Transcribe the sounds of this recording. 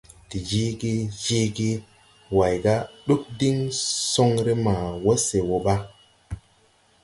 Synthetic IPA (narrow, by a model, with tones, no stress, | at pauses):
ti˨d͡ʒi˦ɡe˦d͡ʒe˦ɡe˦ | wa˨jɡa˦ɗu˦k̚di˦ŋso˦ŋɾe˦ma˨wo˦se˨wo˨ɓa˦